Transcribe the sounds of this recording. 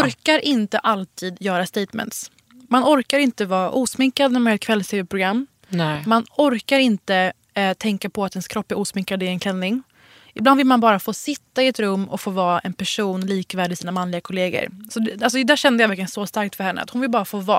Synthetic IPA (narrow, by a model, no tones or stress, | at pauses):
ɔɾkaɾʔɪnt̪əʔalt̪ʰiːd̪jœːɾast̪ejt̪mɛ̰nt̪s | manɔɾkaɾɪnt̪əvɑːʔuːsmɪŋkad̪næmanɛt̪kʰvɛlːst̪eːvɛpʰɾʊɡɾamː | manɔɾkaɾɪnt̪ə | t̪ʰɛŋkapʰɔat̪ɛnskʰɾɔpːæɾʔuːsmɪŋkad̪ɪɛnkʰlɛnːɪŋ | ɪbland̪vɪlmanbɑːɾafoːsɪt̪ːaɪɛt̪ɾɵmːɔ̰kfoːvɑːɛnpʰæʂuːnliːkvæːɖɪsiːnamanlɪɡakʰʊleːɡə̰ɾsɔd̪ɛals̬ɔd̪æːɕɛnd̪əjavæɾklɪjənsɔst̪aɾk̚t̪fœɾhɛnːə̰a̰t̪hʊnvɪlbɑːɾafoːvɑ̰ː